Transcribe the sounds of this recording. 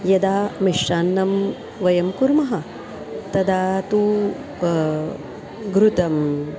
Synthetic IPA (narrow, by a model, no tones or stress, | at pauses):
jɐd̪aːmiʂʈaːnːɐm | ʋɐjɐmkuɾmɐɦɐ | t̪ɐd̪aːt̪u | ɡɾut̪ɐm